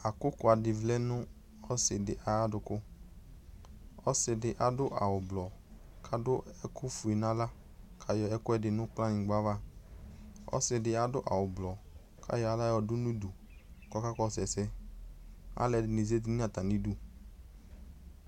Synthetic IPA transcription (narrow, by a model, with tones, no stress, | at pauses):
a˨kʊ˦kʊ˨a˨dɪ˨vlɛ˦nʊ̃˦ | ɔ˦sɪ˨dɪ˨ʔa˨ja˦dʊ˨kʊ˦ | ɔ̰˦sɪ˨dɪ˨ʔa˨dʊ˦ʔa̰˨wʊ˨blɔ˨ | kʰa˦dʊ˦ɛ˦kʊ˦fʊ˨i˨nã˦la˦ | kʰa˨jɔ˨ɛ˦kʊ˦ɛ˦˨dɪ˨nʊ̃˦k͡pla˦nɪ̃˨ɡ͡ba˦va˦ | ɔ̰˦sɪ˨dɪ˨a˨dʊ˦ʔa̰˨wʊ˨blɔ˨ | kʰa̰˦jɔ˦a˨la˦jɔ˨dʊ˦nũ˦du˨ | kɔ˦ka˦kɔ˦sɛ˨sɛ˦ | a̰˦lɛ˨dɪ˨ni˨ze˦di˦nĩ˦a˨t̪a˨nĩ˦du˦